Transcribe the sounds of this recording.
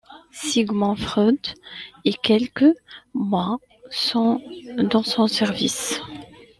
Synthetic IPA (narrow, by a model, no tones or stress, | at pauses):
siɡmɑ̃fχød̪ekʲɛlkəmwa | sɔ̃d̪ɑ̃sɔ̃sɛʁvḭs